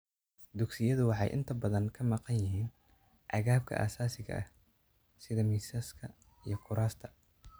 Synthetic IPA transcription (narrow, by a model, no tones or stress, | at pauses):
d̪ʊɡsɪjɐðʊwɑħɑ̰jʔɪ̰nt̪ʰɐbɐðɐŋkʰɐmɑqɑnjɪɦiːn | ʔɑ̰ɣaːb̚kʰɐ̰ʔa̰ːsaːsɪɣɐ̰ʔɐ̰h | sɪðɐmiːsɐskʰɐ | ijɞkʰʊɾaːst̪ʰɐ̥